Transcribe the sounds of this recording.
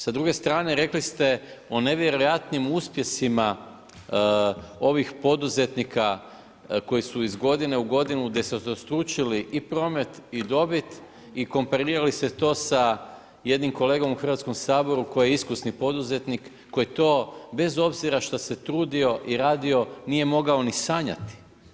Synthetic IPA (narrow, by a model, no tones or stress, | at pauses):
sad̪ɾuɡe̞st̪ɾaːne̞ɾe̞klist̪e̞ | o̞ne̞ʋjeɾo̞jat̪nimuspje̞sima | o̞ʋixpo̞d̪uze̞t̪nikʰa | ko̞jisuizɡo̞d̪ine̞uɡo̞d̪inuɡd̪eset̪ost̪ɾuːt͡ʃiliʔipɾo̞ːme̞t̪id̪o̞bit̪ | iko̞mpaɾiːɾalise̞t̪o̞ːsa | je̞d̪nimko̞le̞ːɡo̞muxr̩ʋat̪sko̞msaːbo̞ɾuko̞jijeiskusnipo̞d̪uze̞t̪nikːo̞jet̪o̞ːbe̞zo̞bziɾaʃt̪ose̞t̪ɾuːd̪io̞ʔiɾaːd̪io̞nije̞mo̞ɡao̞nisaːɲa̰t̪i̥